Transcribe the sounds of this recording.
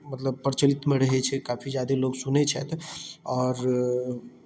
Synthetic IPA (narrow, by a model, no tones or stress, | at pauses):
mət̪ləb̚pəɾt͡ʃəlit̪meɾəɦɛt͡ʃʰɛkapʰid͡ʒjad̪eloɡsunɛt͡ʃʰɛt̪ɔːɾ